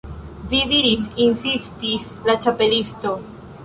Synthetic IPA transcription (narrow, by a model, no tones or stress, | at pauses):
viðiɾisinsistis | lat͡ʃape̞listo̞